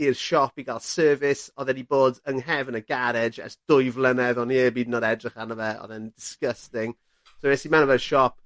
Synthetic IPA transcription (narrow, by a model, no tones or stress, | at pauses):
ɪrʃɔpiɡalˠsɜːvɪsɔðɛniboːdəŋɦɛvənəɡaɾɪd͡ʒɛ̰sd̥ʊɨvlˠənɛðɔniəbiːdnɔdɛdrɪχanəvɛɔ̰ðɛndɪskəstɪŋ | soɛsimɛnəvɛʃɔp̚